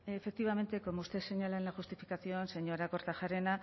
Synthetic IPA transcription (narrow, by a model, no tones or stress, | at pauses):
efe̞k̚t̪iβame̞nt̪e̞ko̞must̪ese̞ɲalaenaxust̪ifikaθio̞anse̞ɲo̞ɾako̞ɾt̪aʝaɾe̞na